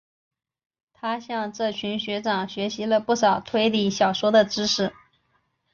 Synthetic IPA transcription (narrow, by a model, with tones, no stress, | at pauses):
t̪ʰa˥ɕjɑ˥˧ŋʈ͡ʂɤ˥˩t͡ɕʰy˧˥nɕɥɛ˧˥ʈ͡ʂɑ˨˩ŋɕɥɛ˧˥ɕi˧˥lə˧pu˥˩ʂɑ˨˩ʊt̪ʰwe˥˧ɪli˥˩ɕjɑ˨˩ʊʂwɔ˥d̪ə˨ʈ͡ʂɻ̩˥ʂɻ̩˥˩